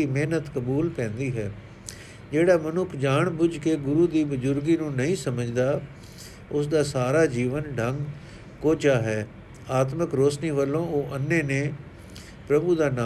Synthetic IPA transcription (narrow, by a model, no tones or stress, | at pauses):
iːmeːnət̪kəbuːlpɛ̃ːnd̪iːɦɛː | d͡ʒeːɽaːmənʊkʰd͡ʒaːɳbʊd͡ʒkeːɡʊɾuːd̪iːbʊzʊɾɡiːnũːnəĩːsəməd͡ʒd̪aː | ʊs̬d̪aːsaːɾaːd͡ʒiːʋənɖʱəŋɡ | koːt͡ʃaːɦɛː | aːt̪məkɾoːsniːʋəlːõːoːʔənːeːnẽː | pɾəbuːd̪aːna